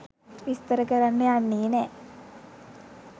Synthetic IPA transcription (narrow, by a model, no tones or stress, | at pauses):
ʋist̪əɾəkəɾanːəanːiːnɛ